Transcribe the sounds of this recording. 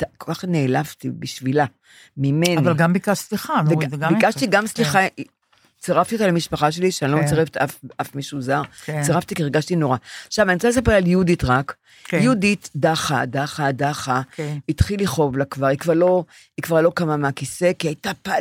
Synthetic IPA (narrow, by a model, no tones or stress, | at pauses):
takolkaχneːlavtibiʃvila | mimennivalɡambikaʃsliχavebikaʃt̪iɡamsliχa | t͡seʁaft̪iotalemiʃpaχaʃ̬eliʃeailot͡saʁeft̪afʔafmiʃuzaʁt͡seʁaft̪ikiʁɡaʃtinoʁaʃavaniʁt͡sales̬apeʁaljuditʁak | juditdaχa̰daχadaχait̪χiliχo̞vlakvaʁikvaʁlo̞ | ikvaʁlo̞kamameakise̞kiajtapa